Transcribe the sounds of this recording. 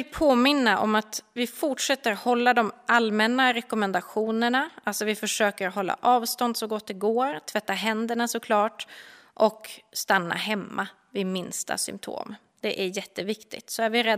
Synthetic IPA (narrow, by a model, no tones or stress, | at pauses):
ɪlpʰoːmɪnːaʔɔ̰mat̪vɪfʊʈʂɛt̪ːəɾhɔlːad̪ɔmʔalmɛnːaɾɛkɔmɛnd̪aɧuːnəɳaalsɔvɪfœʂøːkəɾɦɔlːa̰ʔɑːvst̪ɔnd̪sɔɡɔt̪ːɛɡoːɾt̪ʰvɛt̪ːaɦɛnd̪əɳasɔkʰlɑːʈʔɔkst̪anːa̰ɦɛmːa | vɪmɪnst̪a̰sʏ̰mpt̪ʰo̰ːm | d̪̥ɛʔæɾjɛt̪ːəvɪkt̪ɪ̰t̪sɔæɾvɪɾɛd̪